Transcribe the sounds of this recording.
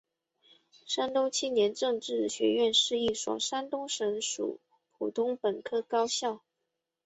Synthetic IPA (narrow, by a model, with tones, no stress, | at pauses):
ʂa˥nt̪o˥ʊt͡ɕʰi˥njɛ˧˥nʈ͡ʂɤ˥˧ŋʈ͡ʂɻ̩˥˩ɕɥɛ̰˧˥ɥɛ˥˧nʂɻ̩˥˧i˥˩swɔ̰˨˩ʂa˥nt̪ʊ˥ŋʂə˧˥ŋʂṵ˨˩ | pʰu˨˩t̪ʰʊ˥ŋpə˨˩nkʰɤ˥kɑ˥ʊɕjɑ˥˩ʊ